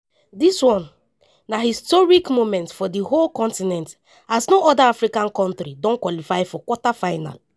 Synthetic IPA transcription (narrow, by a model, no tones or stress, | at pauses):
diswɔ̃nː | ahistɔɹikmomɛ̃ntfɔdiholkɔ̃ntinɛ̃nt | aznoʔɔdaafɾikãnkɔ̃ntɾidɔ̃nkwɔlifaɪfɔkwɔtafaɪna̰l